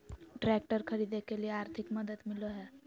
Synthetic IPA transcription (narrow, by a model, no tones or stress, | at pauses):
ʈɾek̚ʈəɾkʰəɾid̪ekelieaɾt̪ʰikməd̪əd̪miloɦɛ